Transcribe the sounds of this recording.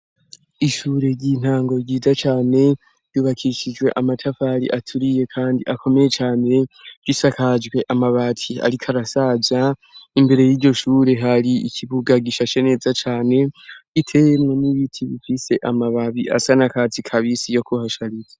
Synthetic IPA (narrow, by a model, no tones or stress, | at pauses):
iʃuːɾe̞ɟiːn̥haːŋɡo̞ɟiːzat͡ʃaːne̞ | ɾjuβakʰiʃid͡ʒwe̞̰ʔamatʰafaɾḭʔatʰuɾije̞kʰaːndiʔakʰo̞meje̞t͡ʃaːne̞ɡ̥isakad͡ʒɡwe̞ʔamaβatʰia̰ɾikʰaɾasazaimbe̞ɾe̞jiːɾɟo̞ʃuːɾe̞ɦaɾiḭkʰiβuɡaɡiʃat͡ʃene̞ːzat͡ʃaːne̞itʰe̞jemŋe̞niβitʰiβifise̞ʔamaβaβiʔa̰sanakatikʰaβisijo̞kʰuhaʃaɾize